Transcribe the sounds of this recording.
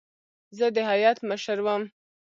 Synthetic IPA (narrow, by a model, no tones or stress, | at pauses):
zəd̪əɦajɑt̪məʃəɾwəm